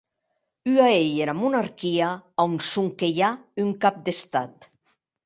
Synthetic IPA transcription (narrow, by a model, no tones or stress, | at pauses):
yaejeɾamunaɾkiaawnsuŋkeʎayŋkap̚d̪est̪at̪